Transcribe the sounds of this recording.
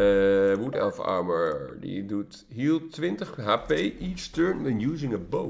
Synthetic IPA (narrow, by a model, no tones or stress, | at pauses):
wutɛ̰lˠfɑ̰ɹməɹdḭdut | ɦiːlˠtːʋɪntəχɦaːpejʔit͡ʃtøɹnwɛnjuːzɪ̃ŋəbo